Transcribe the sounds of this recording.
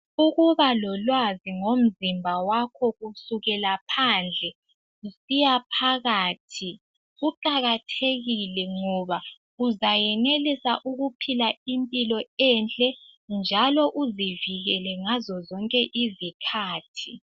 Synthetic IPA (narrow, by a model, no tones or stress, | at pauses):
uɣuβalɔlwaziŋom̩zimbʱawakʰɔɣusuɣɛlapʰand͡ɮʱɛ | usijapʰaɣaːtʰi | ɣuǃaɣatʰeɣilɛŋɔβa | uzajɛnelisaʔuɣupʰilaimpʼilɔɛnt͡ɬʼɛnd͡ʒʱalɔʔuziviɣɛlɛŋazɔzɔŋkʼɛʔizikʰaːtʰi